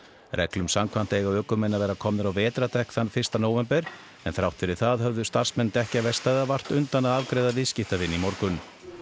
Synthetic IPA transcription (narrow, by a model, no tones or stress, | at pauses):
rɛ̰klʏmsamkʰvan̥t̪ejɣaœːkʏmɛnːavɛːɾakʰɔmnɪɾawvɛːt̪ɾat̪ʰɛhkθanfɪrst̪anoːwvɛmpɛɾ̥ | ɛnθɾawht̪fɪɾɪɾ̥θaðɦœvðʏst̪ar̥smɛnt̪ɛhcavɛst̪ajðavar̥t̪ʏnt̪anaðavkɾeːjðavɪscɪhft̪avɪnːimɔɾkʏn